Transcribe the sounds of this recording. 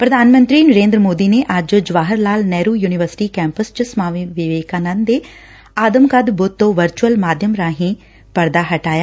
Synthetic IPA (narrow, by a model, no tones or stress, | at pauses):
pɾəd̪ʱaːnmə̃nt̪ɾiːnəɾẽːnd̪ɾəmoːd̪iːneːʔəd͡ʒd͡ʒʊʋaːɦəɾlaːlnɛːɾuːjuːnɪʋəɾsɪ̥ʈiːkɛ̃ːmpəst͡ʃəsəmaːʋiʋɪʋeːkaːnənd̪eː | aːd̪əmkəd̪bʊt̪ːõːʋəɾt͡ʃuəlmaːd̪ʱjəmɾãːɦĩː | pəɾd̪aːɦəʈaːjaː